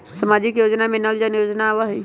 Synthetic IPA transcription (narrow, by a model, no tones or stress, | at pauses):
səmad͡ʒikjoːd͡ʒnamẽnəld͡ʒənjoːd͡ʒnaʋəɦi